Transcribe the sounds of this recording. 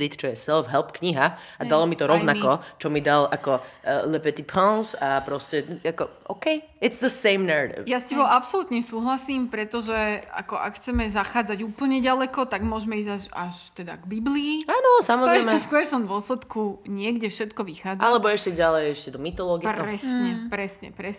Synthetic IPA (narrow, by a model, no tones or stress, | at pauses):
ɾit̪t͡ʃɔjɛsɛlfɦɛlˠpkɲiɦa | ad̪alɔmit̪ɔɾɔʋnakɔt͡ʃɔmid̪alʔakɔlɛpɛt̪ipʰɔ̃nsapɾɔscɛakɔɔ̰ʊkɛj | ɪtsðəsẽɪmnɛɹaɾḭvjascɛbɔapsɔlut̪ɲɛsuːɦlasiːmpɾɛt̪ɔʒɛa̰kɔʔa̰kxt͡sɛmɛzaxaːd͡zaɟuːpl̩ɲɛɟalɛkɔt̪aɡmʊɔʒmɛiːzaa̰ʃt̪ɛd̪a̰ɡbibliːaːnɔsamɔzɔɾɛɪmɛfkɔɛt͡ʃnɔmd̪ʊɔslɛt̪kuɲɪɛɡɟɛfʃɛt̪kɔʋixaːd͡zalɛbɔɛʃcɛɟalɛjɛʃcɛd̪ɔmit̪ɔlɔɡiɾɛsɲɛpɾɛsɲɛ̰pɾɛ